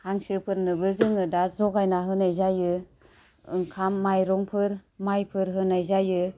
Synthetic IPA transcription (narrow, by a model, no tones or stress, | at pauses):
haŋsɯpʰɯɾnɯbɯzɯŋɯdazɔkajnaɦɯnajzajɯ | ɯŋkʰamːajɾɔŋpʰɯɾmajpʰɯɾɦɯnajzajɯ